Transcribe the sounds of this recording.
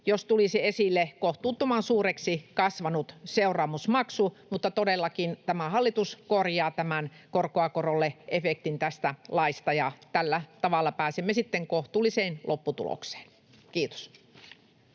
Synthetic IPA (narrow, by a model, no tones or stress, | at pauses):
jost̪uliseesilːekoht̪uːt̪ːumɑnsuːreksikɑsʋɑnut̪seurˑɑːmusmɑksumut̪ːɑt̪odelːɑkint̪æmæhɑlːit̪uskorjɑːt̪æmænkorkoɑkorolːeʔefek̚t̪int̪æst̪ælɑist̪ɑjɑt̪ælːæt̪ɑʋɑlːɑpæːsemːesit̪ːeŋkoht̪uːliseːnlʔopːut̪ṵlo̰kse̥ːn | kiːt̪o̥s